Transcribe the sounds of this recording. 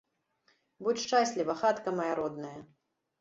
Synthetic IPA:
but͡sʲʂt͡ʂasʲlʲivɐxat̪kɐmɐjaɾɔd̪nɐjɐ

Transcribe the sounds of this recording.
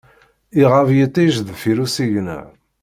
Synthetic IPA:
iʁavjət̪ːiʒðfiɾusiʝnə̰ʕ

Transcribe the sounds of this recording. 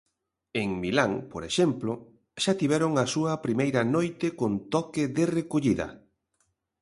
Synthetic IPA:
eŋmilaŋpoɾeʃɛmplo | ʃat̪iβɛɾoŋɐsuɐpɾimejɾɐnojt̪ɪkont̪ɔkɪðerekoʎiðɐ̰

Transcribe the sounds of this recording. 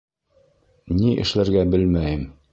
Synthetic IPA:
niʔɘ̰̆ʃlæɾɡæbɘlmæjɘm

